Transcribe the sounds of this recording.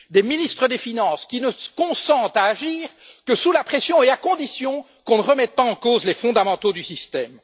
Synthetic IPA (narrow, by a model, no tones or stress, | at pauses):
d̪eminist̪χəd̪efinɑ̃skʲinəkɔ̃sɑ̃t̪aːʒiːʁkəsulapχesjɔ̃eakɔ̃d̪isjɔ̃ | kɔ̃nəʁəmɛt̪̚paɑ̃kozlefɔ̃d̪amɑ̃t̪od̪ysist̪ɛm